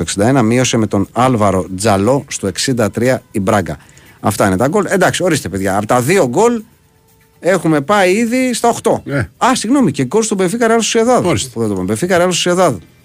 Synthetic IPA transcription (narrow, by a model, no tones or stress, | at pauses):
oeksind̪ɐe̞nɐmio̞seme̞t̪o̞nɐlvɐɾo̞d͡zɐlo̞st̪oe̞ksind̪ɐt̪ɾiɐibɾɐɡɐ̰ | ɐft̪ɐine̞t̪ɐɡo̞le̞nd̪ɐksio̞ɾist̪e̞peðʝɐːpot̪ɐðio̞ɡo̞l | e̞xume̞pɐiiðist̪ɐoxt̪o̞eɐsiɣno̞mice̞ɡo̞lst̪ubefikɐɾiɐlost̪seðɐðspuðed̪oombefikɐɾɐlost̪seðɐðu